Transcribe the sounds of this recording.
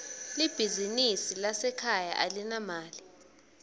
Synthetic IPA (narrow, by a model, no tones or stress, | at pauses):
lib̥ʱizinisilasɛkʰaja̰ʔalinamaːli